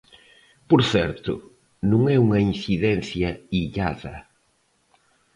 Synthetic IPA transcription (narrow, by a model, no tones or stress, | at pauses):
poɾθɛɾt̪ʊ̰ | nũŋɛuŋɐin̟θiðɛn̟θjɐiʎaðɐ̰